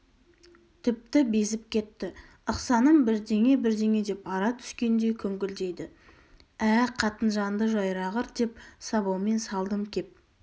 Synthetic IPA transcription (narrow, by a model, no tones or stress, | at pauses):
t̪ʰɪp̚t̪ɪbe̞zɪpkʲʰe̞t̪ːɪ | əqsɑnəmbɪɾd̪e̞ŋe̞bɪɾd̪e̞ŋe̞d̪e̞pɑɾɑt̪ʰʏ̥skʲe̞nd̪e̞kʲʰɵŋɡʲɪld̪e̞jd̪ɪ | æqʰɑt̪ənʒɑnd̪əʒɑjɾɑʁəɾd̪e̞p̚sɑβɑwme̞nsɑlˠd̪əmkʲʰe̞p̚